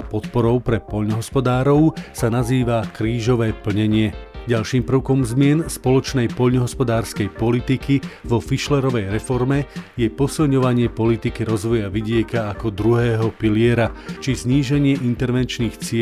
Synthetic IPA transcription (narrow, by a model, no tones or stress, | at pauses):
pɔt̪pɔɾɔʊpɾɛpɔʎnɔɦɔspɔd̪aːɾɔʊsanaziːʋakɾiːʒɔʋɛːpl̩ɲɛɲɪɛɟalʃiːmpr̩ʊkɔmzmɪɛnspɔlɔt͡ʃnɛjpɔʎnɔɦɔspɔd̪aːɾskɛjpɔlit̪ikiʋɔfiʃlɛɾɔʋɛjɾɛfɔɾmɛjɛpɔsilɲɔʋaɲɪɛpɔlit̪ikiɾɔzʋɔjaʋiɟɪɛkaːkɔd̪ɾuɦɛːɦɔpilɪɛɾat͡ʃizɲiːʒɛɲɪɛʔint̪ɛɾʋɛnt͡ʃniːxt͡sɪɛ